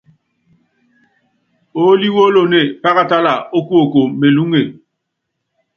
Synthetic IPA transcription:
o˦li˦wo˦lo˦˨ne˦˨pa˦ɣa˦ta˦la˨o˦ku˦o˨ko˨me˨lu˦ŋe˨

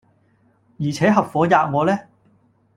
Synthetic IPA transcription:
jiː˨˩t͡sʰɛː˨˥ɦɐ˨p̚fɔː˨˥jaː˨˧k̚ŋɔː˨˧lɛː˥

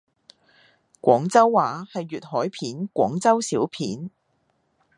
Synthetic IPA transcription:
kʷɔː˨˥ŋt͡sɐ˥wːaː˨˥hɐ˨jːyː˨t̚hɔː˨˥jpʰiː˨˥nkʷɔ̰ː˨˥ŋt͡sɐ˥wsiː˨˥wpʰiː˨˥n

